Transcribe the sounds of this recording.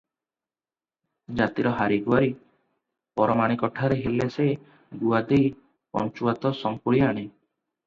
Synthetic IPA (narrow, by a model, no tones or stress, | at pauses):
d͡ʒat̪iɾɔɦaɾiɡuaɾi | pɔɾɔmaɽ̃ikɔʈʰaɾeɦelese | ɡuad̪ej | pɔ̰nt͡ʃuat̪ɔsɔŋkuɭiaɽ̃e